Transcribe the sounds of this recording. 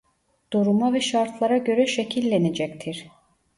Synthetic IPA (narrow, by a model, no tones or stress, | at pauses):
d̪̥uɾumavɛʃaɾt̪ʰlˠaɾaɟø̞ɾɛʃecʰilʲːened͡ʒɛct̪ʰiɾ̥